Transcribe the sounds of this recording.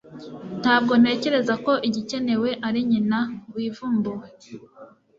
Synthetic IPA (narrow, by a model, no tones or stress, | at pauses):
n̥haːb̚ɡo̞n̥e̞ːce̞ɾe̞zako̞ʔiɟice̞ne̞we̞ʔaɾiɲinawiːvuːmbuwe